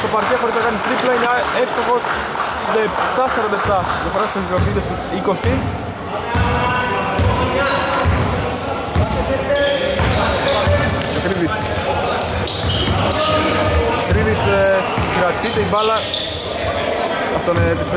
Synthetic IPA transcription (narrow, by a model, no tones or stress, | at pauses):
t̪o̞pɐɾcexo̞ɾiznɐkɐnit̪ɾiplɐinɐefst̪oxo̞s | d̪ɐet̪ɐsɐɾond̪ɐeft̪ɐt̪ofɾɐst̪ozomid̪est̪isikosi | ek̪ɾivis | k̪ɾiðisskɾɐt̪it̪eivɐlɐ | ɐft̪onet̪is